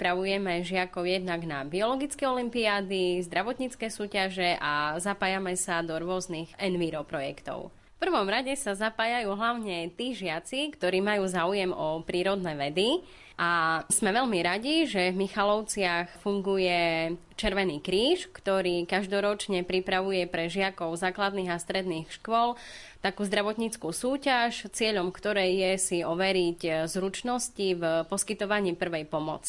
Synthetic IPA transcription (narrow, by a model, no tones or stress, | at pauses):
pɾaʋujɛmɛʒɪakɔʊjɛd̪naɡnabiɔlɔɡit͡skɛɔlimpiaːd̪izd̪ɾaʋɔt̪ɲit͡skɛsuːcaʒɛʔazapaːjamɛsad̪ɔɾʊɔznixʔɛnʋiɾɔpɾɔjɛkt̪ɔ̰ʊ | fpr̩ʋɔmɾaɟɛsazapaːjajuːɦlaʊɲɛt̪iːʒɪat͡sikt̪ɔɾiːmajuːzaːujɛmɔpɾiːɾɔd̪nɛʋɛd̪i | ʔaz̥mɛʋɛʎmiɾaɟiʒɛvmixalɔʊt͡sɪaxfuŋɡujɛ | t͡ʃɛɾʋɛniːkɾiːʃkt̪ɔɾiːkaʒd̪ɔɾɔt͡ʃɲɛpɾipɾaʋujɛpɾɛʒɪakɔʊzaːklad̪niːɣast̪ɾɛd̪niːxʃkʊɔl | t̪akuːzd̪ɾaʋɔt̪ɲit͡skusuːcaʃt͡sɪɛʎɔmkt̪ɔɾɛjjɛsiɔʋɛɾiczɾut͡ʃnɔscivpɔskit̪ɔʋaɲiːpr̩ʋɛjpɔmɔ̰t͡si̥